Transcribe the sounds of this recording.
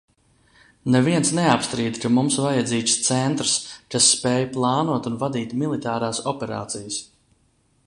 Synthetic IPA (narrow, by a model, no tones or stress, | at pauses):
neviɛnsneapst̪ɾiːd̪kamumsvajad̪ziːkst̪sɛnt̪ɾskasːpɛːjplˠɑːnuɔt̪unvad̪iːt̪milˠit̪aːɾaːsɔpɛɾa̰ːt̪sijəs